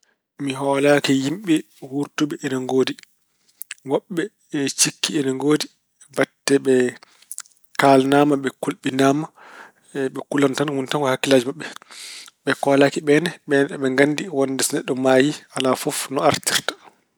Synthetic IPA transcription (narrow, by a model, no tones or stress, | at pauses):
miɦɔːlaːkɛjimɓɛ | wuɾtuɓɛɛnaŋɡoːdi | wɔɓːɛ | ɛt͡ʃikːiɛnaŋɡoːdi | batːɛɓɛ | kalnaːmaɓɛkulɓinaːma | ɓɛkulantanwuntaŋkɔhakːilaːd͡ʒimaɓːɛ | ɓɛkɔːlaːkiɓɛnɛɓɛnɛɗɛɓɛŋɡanːdiwɔndɛsnɛɗːɔmaːjialafɔfnɔaɾtiɾtḁ